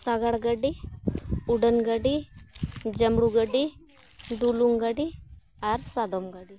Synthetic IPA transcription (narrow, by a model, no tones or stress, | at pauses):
saɡaɽɡəɖi | uɖənɡəɖi | d͡ʒəmɽuɡəɖi | ɖuluŋɡaɖi | aɾsad̪ɔmɡəɖi